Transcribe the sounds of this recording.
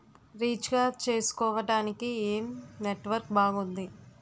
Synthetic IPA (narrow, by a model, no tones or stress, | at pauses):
ɾiːt͡ʃɡaːt͡ʃe̞ːsu̥kɔːʋɐʈaːnikieːmneʈʋɐɾk̚baːɡund̪i